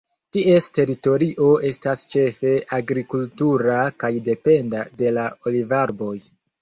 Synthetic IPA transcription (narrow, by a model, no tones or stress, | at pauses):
tiʔe̞ste̞ɾito̞ɾiʔo̞e̞stast͡ʃe̞fe̞ʔaɡɾikultuɾakajde̞pe̞ndade̞lao̞livaɾbo̞j